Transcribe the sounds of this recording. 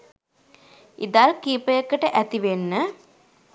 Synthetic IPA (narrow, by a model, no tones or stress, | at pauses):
ʔḭd̪alkiːpəjəkːəʈəʔæt̪iʋenːə